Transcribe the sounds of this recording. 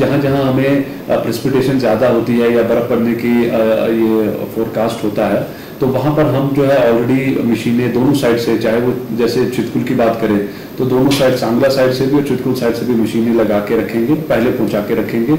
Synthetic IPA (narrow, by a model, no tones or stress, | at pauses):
d͡ʒɐɦãd͡ʒɐɦãɦɐmẽ | pɾɛːsɪ̥pɪʈeːʃənzjaːd̪aɦoːt̪iɦɛjabɐɾəkpɐɽnekijefoːɾkaːsʈɦoːt̪aɦɛː | t̪oʋɐɦãpɐɾɦɐmd͡ʒoːɦɛɔːlɾeːɽimɐʃiːnẽd̪oːnõsaːɪɖset͡ʃaːɦeʋod͡ʒɛːset͡ʃʰɪt̪kʊlkibaːt̪kɐɾẽː | t̪od̪oːnõsaːɪɖsãːŋɡlasaːɪɖsebʱiɔːɾt͡ʃʰɪt̪kʊlsaːɪɖsebʱimɐʃiːnẽlɐɡaːkeɾɐkʰẽːŋɡepɛɦlepɐ̃ɦʊ̃t͡ʃaːkeɾɐkʰẽːŋɡeː